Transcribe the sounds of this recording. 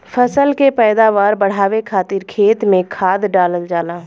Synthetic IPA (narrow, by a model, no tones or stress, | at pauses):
fʰəsəlkepɛːd̪aːʋaːɾbəɽ̤aːʋekʰaːt̪ɪɾkʰeːt̪mẽkʰaːd̪ɖaːləld͡ʒaːlãː